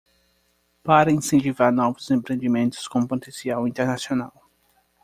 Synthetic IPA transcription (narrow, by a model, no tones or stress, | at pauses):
paɾɐĩsẽnt͡ʃivaɾnɔvʊzẽmpɾẽnd̪imẽnt̪ʊ̥skõpot̪ẽsiawĩnt̪eɾnasionaw